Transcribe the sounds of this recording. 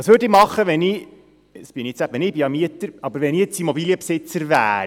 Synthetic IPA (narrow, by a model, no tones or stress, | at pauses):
ɑːsʋøɾdɪːmɑχːəʋɛni | sb̥ɪniet͡sæpʋɛnɪbijɑmiətəɾɑbəɾʋɛniːet͡simobilijəpsɪt͡səɾvæ̰ː